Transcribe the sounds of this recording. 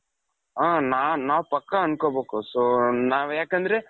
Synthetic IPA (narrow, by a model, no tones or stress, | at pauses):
aːnaːnaːʋpɐkːaɐnɯkoːbeːkõsoːnaːʋeːkːend̪ɪɾe